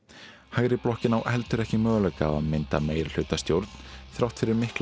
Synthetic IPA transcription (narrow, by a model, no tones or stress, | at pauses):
haɣɾɪplɔhcɪnawʔhɛlt̪ʏɾɛhcɪmœːɣʏlœkaːva̰ðmɪnt̪a̰meːjɪɾl̥ʏːt̪ast̪jowɾt̪n̥θɾawht̪fɪɾɪɾmɪhkl